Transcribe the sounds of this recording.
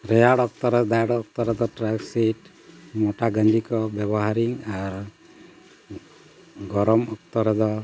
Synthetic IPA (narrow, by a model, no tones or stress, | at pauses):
ɾɛjaɽɔk̚t̪ɔɾɔd̪ajɽɔːk̚t̪ɔɾɔd̪ɔʈɾakseʈ | mɔʈaɡəɲd̪ikɔbjɛbɔɦaɾiŋaɾ | ɡɔɾɔmɔk̚t̪ɔɾɔd̪ɔ